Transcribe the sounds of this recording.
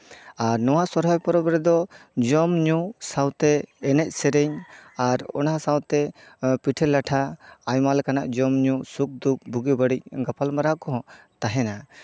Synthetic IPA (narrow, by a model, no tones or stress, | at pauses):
aɾnɔwasɔɾɦɔjpɔɾɔbɾɛd̪ɔd͡ʒɔmɲusawt̪ɛɛnɛc̪̚ˀsɛɾɛɲaɾɔ̰naɦasawt̪ɛpiʈʰɛlːaʈʰaːjmalkanaʔd͡ʒɔmɲusuk̚d̪uk̚bʱuɡɛbəɽic̚ɡapalmaɾakɔɦɔ̃ | t̪aɦɛna